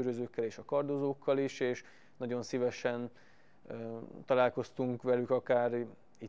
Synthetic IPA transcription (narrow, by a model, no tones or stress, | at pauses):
øɾøzøːkːɛleːʃɒkɒrd̪ozoːkːɒliʃeːʃ | nɒɟo̞nsivɛʃɛn | t̪ɒlaːlko̞st̪uŋkʋɛlykɒkaːɾ | i